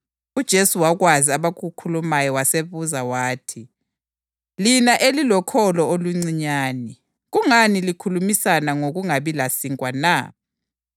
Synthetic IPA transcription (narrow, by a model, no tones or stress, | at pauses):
ud̥ʒ̥ʱesuwaɣwaziaβaɣukʰulumajɔwaseβuzawaːtʰi | linaʔelilɔkʰɔlɔoluŋ͡ǀiɲaːni | ɣuŋanilikʰulumisanaŋoɣuŋaβilasiŋkʼwana̰